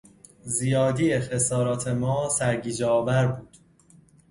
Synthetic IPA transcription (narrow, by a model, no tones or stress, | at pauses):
zijɒːd̪iːexesɒːɾɒːt̪ʰe̞mɒːsæɾɟiːd͡ʒɒːvæɾbuːd̪̥